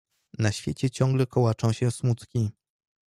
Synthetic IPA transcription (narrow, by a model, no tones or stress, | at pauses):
naɕfʲjet͡ɕɛt͡ɕɔ̃ŋɡlɛkɔwat͡ʂɔ̃w̃ɕɛ̃smut̪kʲi